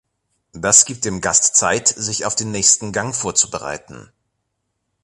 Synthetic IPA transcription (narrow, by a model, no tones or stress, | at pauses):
d̥asɡ̥iːp̚t̚d̥eːmɡastt͡saɪtz̥ɪçaʊfd̥eːnːɛːçstn̩ɡaŋfoːɐt͡subəʁa̰ɪtn̩